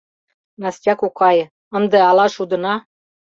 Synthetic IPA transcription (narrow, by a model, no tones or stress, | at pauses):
nɑstʲɑkukʰɑjə̆ | ə̆nd̪ə̆ɑlɑʃud̪ɤ̆nɑ